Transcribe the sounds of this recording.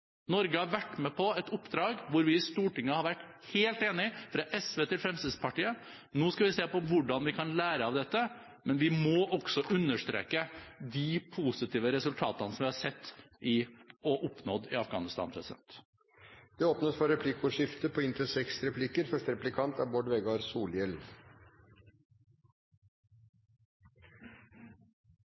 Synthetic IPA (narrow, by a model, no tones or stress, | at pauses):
nɔɾɡəhɑɾʋæʈːmɛpʰɔɛt̪ʊpːd̪ɾɑːɡʋʊɾʋɪɪst̪uːʈɪŋːəhɑɾʋæʈːheːlt̪eːnɪfɾɑʔɛsʋeːt̪ɪlfɾɛmst̪ɪd̪spɑʈiːə | noːskɑʋɪseːpɔʋʊɖɑnʋɪkʰɑnlæːɾəɑʋd̪ɛt̪ːə | mɛnʋɪmɔʔɔɡ̥sɔʔʉnːəʂt̪ɾḛːkəd̪ɪpʰusɪt̪ʰiːʋəɾɛsʉlt̪ʰɑːt̪ənəsɔmʋɪhɑsɛt̪ːʔɪɔʔɔpnɔd̪ɪɑfɡɑ̰ːnɪst̪ɑ̰npʰɾɛsɪd̪ɛ̰nt̪ | d̪̥ɛoːpnəsfɔɾɛpʰlɪkʊʂɪft̪əpʰɔɪnt̪ɾəsɛksɾɛpʰlɪkəɾfœʂʈəɾɛplɪkʰɑnt̪ɑʋbɔɖʋɛɡɑɾsuːljɛl